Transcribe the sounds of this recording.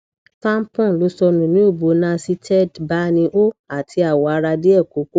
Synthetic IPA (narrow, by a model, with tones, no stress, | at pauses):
tã˦m˦pɔ̃˦˨lo˨˦sɔ˧nũ˨nĩ˦o˦˨bo˨˦nã˧˦si˧tʰɛ˦˨dba˦nĩ˧ʔo˦a˦˨tʰi˧a˨wɔ˨a˧ɾa˧de˦ɛ˦˨ko˨˦ko˦